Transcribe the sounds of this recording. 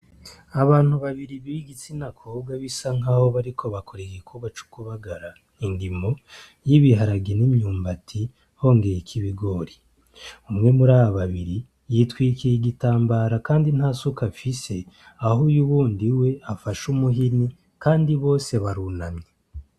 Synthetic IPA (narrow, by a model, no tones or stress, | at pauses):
aβaːn̥huβaβiɾiβiɡit͡sinakʰoːbɡaβisaŋ̥aːho̞βaɾikʰo̞βakʰo̞ɾeɡikʰuβat͡ʃu̥kuβaɡaɾa | indimo̞ | jiβiɦaɾaɡenimɲuːmbatʰi | ho̞ːŋɡejekʰiβiɡo̞ɾi | umŋe̞muɾaːβaβaβiɾi | jiːtwiːkijiɡitaːmbaːɾakaːndin̥hasukafise̞ | ahujuβuːndiwe̞afaʃumuɦini | kaːndiβo̞ːse̞βaɾunamɲe